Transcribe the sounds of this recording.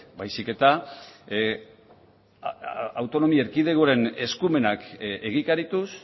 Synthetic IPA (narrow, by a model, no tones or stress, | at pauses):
bajsike̞t̪a | awt̪o̞no̞mieɾkið̞e̞ɣoɾe̞ne̞skume̞nakeɣikaɾit̪us